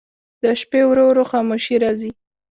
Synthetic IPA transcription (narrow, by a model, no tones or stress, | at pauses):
d̪əʃpewɾoɾoxɑmoʃiɾɑzi